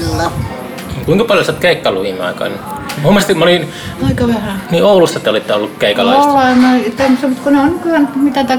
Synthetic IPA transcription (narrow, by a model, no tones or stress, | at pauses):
lːæ | eŋkuiŋkɑpɑljosiɑt̪keikːɑluʋinːɑ̰ˑikɑ̰ˑinmhumːˑɑst̪imolin | ɑikɑʋerɑniːoˑulust̪ɑt̪eolit̪ːeolːukkeˑikɑlɑˑolːɑinoit̪emːosemut̪kuneonikylænt̪mit̪æt̪æ